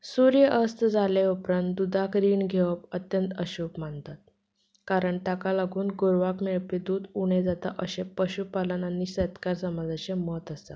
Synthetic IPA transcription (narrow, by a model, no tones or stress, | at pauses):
suɾjəʔəst̪d͡zaleupɾant̪d̪ud̪ʱakɾiːɳɡʱeʋəpət̪jənt̪əɕuːpmant̪at̪̚ | kaɾəɳʈ̪akalaɡuːnɡoɾʋakmeɭpid̪uːd̪uɽ̃ed͡zat̪a̰ʔəɕepəɕupalənanːiːɕet̪kaɾsəmad͡zaɕemɔt̪əst̪a̰